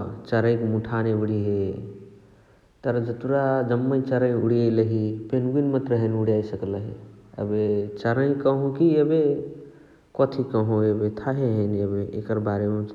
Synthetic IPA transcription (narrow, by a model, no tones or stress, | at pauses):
t͡ʃəɾə̃jkmuʈʰaneuɽiɦe | t̪əɾd͡ʒət̪uɾad͡ʒəmːəj̃t͡ʃəɾəjuɽijələɦipenɡinmət̪ɾəɦənuɽijajsəkləɦiə̰bet͡ʃəɾəj̃kəɦũkiəbe | kɔt̪ʰikəɦũebet̪ʰaɦeɦənəbeḛkəɾbaɾeme